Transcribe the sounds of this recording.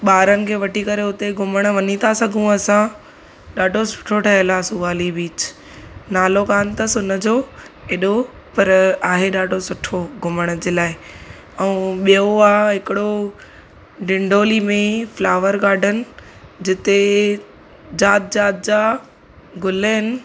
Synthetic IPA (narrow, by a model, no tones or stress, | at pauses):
ɓaːɾənɪ̆kʰeːʋɐʈikɐɾeʊt̪eɡʱʊməɽ̃ʋɐɲit̪ʰasɐɡʱũɐsã | ɗaːɖʱosʊ̥ʈʰoʈʰɐɦɪlasʊʋaːlibiːt͡ɕ | naːlokaːnt̪ɐsʊnə̆d͡ʑoːeɗo | pɐɾaːɦeɗaːɖʱosʊʈʰoɡʊməɽ̃d͡ʑeːlaːɪ | ɛũɓijoaːɦɪkɪɽo | ɖɪ̃ɳɖʱoːlimẽflaːʋəɾɡaːɖʱənɪ̆ | d͡ʑɪt̪e | d͡ʑaːt̪̚d͡ʑaːt̪̚d͡ʑaː | ɡʊləɦɪnɪ̆